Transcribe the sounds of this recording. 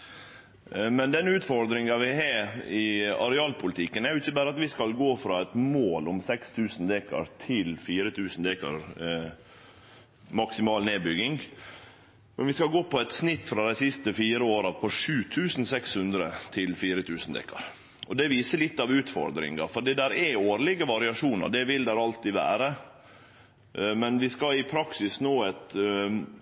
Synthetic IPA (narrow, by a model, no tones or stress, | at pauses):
mɛnd̪ɛnʉːt̪fɔɾd̪ɾɪŋɑʋɪɦɑɾɪɑɾɛɑːlpʊlət̪ʰɪkːənæɾjʊɪçəbæːɾəɑt̪ʋɪskɑlɡoːfɾɑɛt̪moːlʊmsɛkst̪ʰʉːsnd̪eːkɑ̰ɾt̪ʰɪlfiːɾət̪ʰʉːsn̩d̪eːkɑ̰ɾ | mɑksɪmɑːlneːbʏɡɪŋ | mɛnʋɪskɑɡoːpɔɛt̪snɪt̪ːfɾɑd̪ɛɪsɪst̪əfiːɾəoːɾɑɾpʰɔʂʉːt̪ʰʉːsn̩sɛkshʉnd̪ɾət̪ʰɪlfiːɾət̪ʰʉːsn̩d̪ɛ̰ːkɑ̰ɾ | ʔɔd̪ɛʋiːsəlɪt̪ːɑʋʉːt̪fɔ̰ɾd̪ɾɪ̰ŋɑ̰fɔɖiːd̪æɾɛoːɾlɪɡəʋɑɾɪɑʂuːnə̰ɾɖ̪ɛʋɪld̪æɾɑlt̪ɪʋæ̰ːɾə | mɛnʋɪskɑɪpʰɾɑksɪsnoːɛt̪